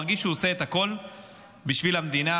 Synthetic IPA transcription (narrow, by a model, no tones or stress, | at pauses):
ʁɡiʃuose̞et̪ako̞l | biʃvilhamd̪ina